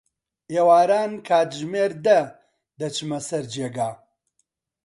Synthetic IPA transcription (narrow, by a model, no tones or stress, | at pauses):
eːwaːɾaːnkʰaːt̪ʒmeːɾd̪ɐ | d̪ɐt͡ʃɨmɐsɐɾd͡ʒeːɡaː